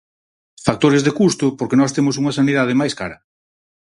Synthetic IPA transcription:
fak̚t̪oɾɪzðekust̪ʊpoɾkenɔst̪emʊs̬uŋɐsaniðaðemajskaɾɐ

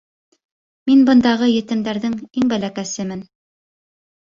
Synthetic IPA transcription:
minbɤ̆nd̪ɑʁɤjɘ̆t̪ɘ̆md̪æɾðɘŋiŋbælækæsɘmɘn

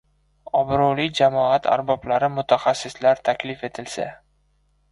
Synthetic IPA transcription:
ɒbɾolijd͡ʒamɒat̪ʰa̰ɾbɒblaɾɪmʊt̪ʰaχasːɪslaɾt̪ʰakʲlɪfe̞t̪ʰɪlsa̰

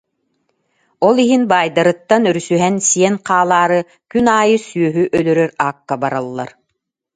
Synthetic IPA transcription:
ɔlˠiɦinbaːjd̪aɾɯt̪ːanœɾysyɦɛnsiɛnqaːlˠaːɾɯ | kynaːjɯsyœɦyʔœlœɾœɾaːkːabaɾalˠːa̰ɾ

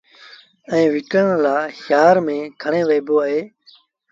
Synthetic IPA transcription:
ɛ̃ːʋɪkəɳlaːʃjaːɾmẽːkʰəɳẽːʋeːboːaːɦeː

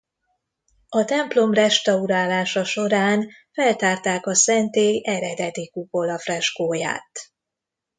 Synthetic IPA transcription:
ɒt̪ɛmplo̞mrɛʃt̪ɒuɾaːlaːʃɒʃo̞ɾaːn | fɛlt̪aːrt̪aːkɒsɛnt̪eːɡɛɾɛd̪ɛd̪ikupo̞lɒfrɛʃkoːja̰ːt̪

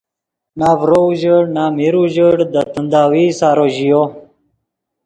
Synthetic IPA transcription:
naːvɾouʑəɽnaːmiɾuʑəɽd̪ət̪ənd̪aːwiːsaːɾoʑijo

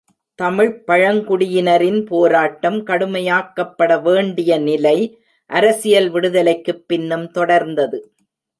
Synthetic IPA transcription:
t̪ɐmɪɻpɐɻɐŋkʊɽɪjɪnɐɾɪnpoːɾaːʈːɐmkɐɽɯmɐjaːkːɐpːɐɽɐʋeːɳɖɪjɐnɪlɐɪ | ʔɐɾɐsɪjɐlʋɪɽɯðɐlɐɪkːɯpːɪnːɯmt̪ɔɽɐɾnd̪ɐðɯ

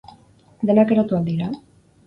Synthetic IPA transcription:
d̪enakeɾot̪uald̪iɾa

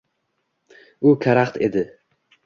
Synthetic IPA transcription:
ʊkʰaɾaχt̪ʰḛd̪ɪ

